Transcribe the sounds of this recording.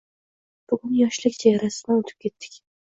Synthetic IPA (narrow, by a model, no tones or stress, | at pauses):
b̥ʊɡʲynjɑʃlˠɪkʲt͡ʃʰɛjɛɾæsmɪot̪ʰy̥p̚kʲʰet̪ʰːɪ̥kʲ